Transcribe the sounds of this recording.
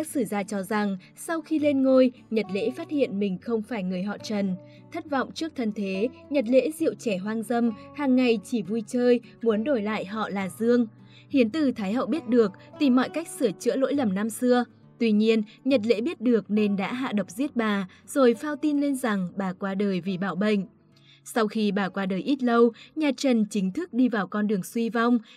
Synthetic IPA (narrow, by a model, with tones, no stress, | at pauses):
a˦˥k̚sɨ˧˩zaː˧t͡ɕɔ˧za˨˩ŋ | sa˧wxi˧le˧nŋo˧jɲə˨˩t̚lḛ˧˥faː˦˥t̚hḭ˧˨ənmï˨˩ŋ̟xə˧wŋ͡mfaː˧˩jŋɨ˨˩əjɦɔ̰˧˨t͡ɕə˨˩n | t̪ʰə˦˥t̚vɔ̰˧˨wŋ͡mt͡ɕɨ˦˥ək̚t̪ʰə˧nt̪ʰe˨˦ɲə˨˩t̬̚lḛ˧˥zḭ˧˨əwt͡ɕɛ˧˩ɦwaː˧nzə˧mhaː˨˩ŋːa˨˩jt͡ɕi˧˩vu˧jt͡ɕəː˧j | mu˨˦ənɗo˧˩jla̰ː˧˨jɦɔ̰˧˨laː˨˩zɨ˧əŋ | hi˨˦ənt̪ɨ˨˩t̪ʰaː˨˦jɦə̰˧˨wɓi˦˥ət̚ɗɨ˨˩ək̚t̪i˨˩mːɔ̰˧˨jka˦˥jk̟̚sɨ˧˩ət͡ɕɨ̰˧˥əlo̰˧˥jlə˨˩mna˧msɨ˧ə | t̪wi˧ɲi˧ənɲə˨˩t̬̚lḛ˧˥ɓi˦˥ət̚ɗɨ˨˩ək̚ne˧nɗa̰ː˧˥ɦa̰ː˧˨ɗə˨˩wk͡p̚zi˦˥ət̚ɓaː˨˩ | z̥o˨˩jfaː˧wt̪i˧nle˧nza˨˩ŋɓaː˨˩kwaː˧ɗəː˨˩jvi˨˩ɓaː˧˩wɓə̰˧˨ŋ̟ | sa˧wxi˧ɓaː˨˩kwaː˨˧ɗəː˨˩jʔi˦˥t̚lə˧wɲaː˨˩t͡ɕə˨˩nt͡ɕï˨˦ŋ̟t̪ʰɨ˦˥k̚ɗi˧vaː˨˩wkɔ˧nɗɨ˨˩əŋswi˧va˧wŋ͡m